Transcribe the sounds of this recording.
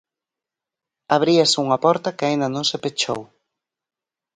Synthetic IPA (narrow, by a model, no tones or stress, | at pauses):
aβ̞ɾiɐsɪuŋɐpɔɾt̪ɐkɪaĩnd̪ɐnõŋsepet͡ʃo̰w